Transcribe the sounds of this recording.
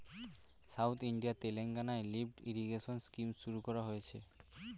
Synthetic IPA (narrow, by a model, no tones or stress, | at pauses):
sawt̪ʰiɳɖijat̪eleŋɡanaelipʈiɾiɡeʃonskimʃuɾukɔɾaɦojet͡ɕʰe